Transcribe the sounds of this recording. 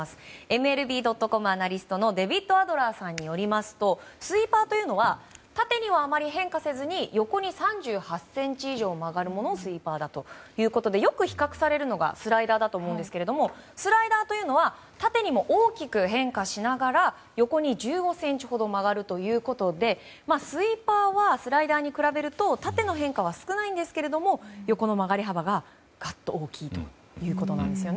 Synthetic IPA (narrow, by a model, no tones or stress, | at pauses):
asɨ̥e̞mɯ̟e̞ɾɯ̟bʲiːd̪o̞t̪ːo̞ko̞mɯ̟anaɾʲisɨ̥t̪o̞no̞d̪e̞bʲit̪ːo̞ad̪o̞ɾaːsãɲ̟ːijo̞ɾʲimasɨ̥t̪o̞sɨipaːt̪o̞jɯ̟ːno̞βat̪at̪e̞ɲ̟iβaːmaɾʲiɦẽ̞ŋkase̞zɨɲ̟ijo̞ko̞ɲ̟isãɲ̟d͡ʑɨːhasẽ̞ɲ̟t͡ɕiːʑo̞ːmaɡaɾɯ̟mo̞no̞sɨipaːd̪at̪o̞jɯ̟ːko̞t̪o̞d̪e̞jo̞kɯ̟çi̥kakɯ̟̥saɾe̞ɾɯ̟no̞ɡa̰sɨɾaid̪aːd̪at̪o̞ːmoɯ̃nd̪e̞sɨ̥keɾe̞d̪omo̞ | sɨɾaid̪aːt̪o̞jɯːno̞βa | t̪at̪e̞ɲ̟imo̞ʔoːkʲikɯ̟ɦẽ̞ŋkaɕinaɡaɾa | jo̞ko̞ɲ̟id͡ʑɨːɡo̞sẽ̞ɲ̟t͡ɕi̥ho̞d̪o̞maɣaɾɯ̟t̪o̞jɯ̟ːko̞t̪o̞d̪e̞ | masɨipaːβasɨɾaid̪aːɲ̟ikɯ̟ɾabe̞ɾɯ̟t̪o̞t̪at̪e̞no̞ɦẽ̞ŋkaβ̞asɨ̥kɯ̟naĩnd̪e̞sɨ̥ke̞ɾe̞d̪o̞mo̞joko̞no̞maɡaɾʲiɦabaɡa | ɡ̥at̪ːo̞ːkʲiːt̪o̥̰ | jɯ̟ːko̞t̪o̞nã̰nd̪e̞sɨjo̞n